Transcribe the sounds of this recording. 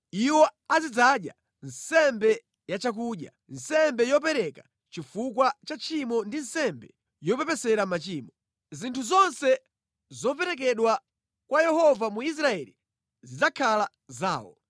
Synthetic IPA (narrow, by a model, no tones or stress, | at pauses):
iwɔazid͡zaɗja̰ | nsɛmbɛ | jat͡ʃak̬uːɗja̰ | nsɛmbɛjɔp̬ɛɾɛka | t͡ʃifukwat͡ʃat͡ʃimɔndin̩sɛmbɛ | jɔpɛpɛsɛɾamat͡ʃiːmɔ | zintʰuzɔnsɛ | zɔpɛɾɛk̬ɛɗwa | kwajɛhɔvamuis̬ɾaɛli | zid͡zakʰala | za̰ːwɔ̰